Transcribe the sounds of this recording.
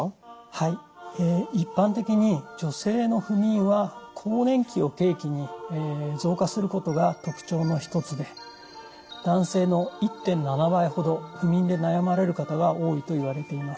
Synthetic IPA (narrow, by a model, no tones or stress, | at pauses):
haieːipːãnt̪e̞kʲiɲ̟id͡ʑo̞se̞ːno̞ɸɯ̟mʲĩɰ̃βakʰo̞ːnẽ̞ŋkʲio̞ke̞ːkʲiɲ̟ieːzo̞ːkasɨɾɯ̟ko̞t̪o̞ɡat̪o̞kɯ̟̥t͡ɕo̞ːno̞çi̥t̪o̞t͡sɨd̪e̞ | d̪̥ãɰ̃se̞ːno̞it̪ːẽ̞nːanabaiho̞d̪o̞ɸɯ̟mʲĩnd̪e̞najamaɾe̞ɾɯ̟kat̪aɡao̞ːit̪o̞iβ̞aɾe̞t̪e̞imasɨ̥